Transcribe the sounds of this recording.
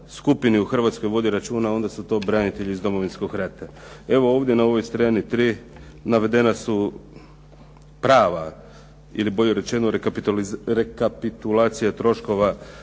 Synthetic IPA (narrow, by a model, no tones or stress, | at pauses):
skupiniuxr̩ʋat̪sko̞jʋo̞d̪iɾat͡ʃuːnao̞nd̪asut̪o̞ːbɾanit̪e̞ʎiːzd̪o̞mo̞ʋinskoxɾet̪e | e̞ʋo̞oːʋd̪je̞nao̞ʋo̞jst̪ɾanit̪ɾiː | naʋe̞d̪e̞nasu | pɾaːʋa | ḭliboʎeɾe̞t͡ʃe̞noɾepiɾekapit̪ulˠaːt̪sijat̪ɾo̞ʃko̞ʋa